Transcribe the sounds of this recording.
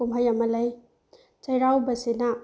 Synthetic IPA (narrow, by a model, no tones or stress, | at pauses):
umɦajamɐlɐj | t͡ʃɐjɾawbɐsina